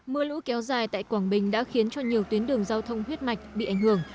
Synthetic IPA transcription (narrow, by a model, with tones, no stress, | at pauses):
mɨ˧əlṵ˧˥kɛ˨˦wzaː˨˩jt̪a̰ː˧˨jkwaː˧˩nɓï˨˩ŋ̟ɗa̰ː˧˥xi˨˦ənt͡ɕɔ˧ɲi˨˩əwt̪wi˨˦ənɗɨ˨˩əŋzaː˧wt̪ʰə˧wŋ͡mhwi˦˥ət̚ma˨˩jk̟̚ɓḭ˧˨ʔa˧˩ŋ̟hɨ˧˩əŋ